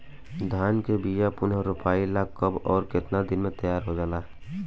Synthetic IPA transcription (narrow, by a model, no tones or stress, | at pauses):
d̪ʱaːnkebiːjapʊnəɾʊpaːilakːəbɔːɾkɪt̪nad̪ɪnmẽt̪əjaːɾɦod͡ʒaːlaː